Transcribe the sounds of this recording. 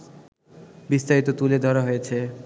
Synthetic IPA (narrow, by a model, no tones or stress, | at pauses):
bist̪aɾit̪ot̪uled̪ʱɔɾaɦojet͡ɕʰe